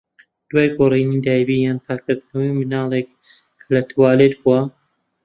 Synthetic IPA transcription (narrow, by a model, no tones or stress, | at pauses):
d̪̥waːjɡorinid̪aːjbijaːnpʰaːkɨɾd̪nɐwimɨnaːlˠek | kʰːɐlɐt̪ʰwaːlet̪̚buwɐ